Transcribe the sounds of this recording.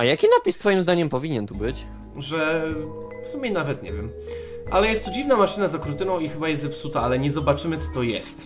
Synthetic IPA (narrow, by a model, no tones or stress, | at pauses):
ajakʲinapʲist̪fɔjimzd̪aɲɛmpɔvʲiɲɛnt̪ubɘt͡ɕ | ʐɛ | fsumʲjɛnavɛt̪ɲɛ̰vʲjɛm | ʔa̰lɛjɛst̪ːɔd͡ʑivnamaʂɘnazakɾut̪ɘnɔ̃w̃ixɘbajɛst̪zɛpsut̪aalɛɲɛzɔbat͡ʂɘmɘt̪sɔ̥t̪ɔjɛ̰st̪